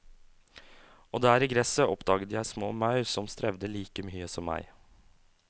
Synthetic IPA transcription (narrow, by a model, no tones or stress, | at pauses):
oːd̪æːɾiːɡɾɛsəʔɔpd̪ɑːɡət̪jæɪsmo̰ːmɑʉɾsɔmst̪ɾɛʋd̪əliːkəmyːəsɔmːæ̰ɪ